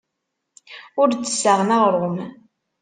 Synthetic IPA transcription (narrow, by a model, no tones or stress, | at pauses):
ʊɾt͡sːə̥sːəʁnaʁɾˤom